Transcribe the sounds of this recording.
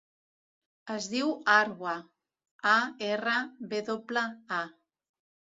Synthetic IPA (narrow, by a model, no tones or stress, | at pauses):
əzðiwaɾɣwa | aerəβeðopləa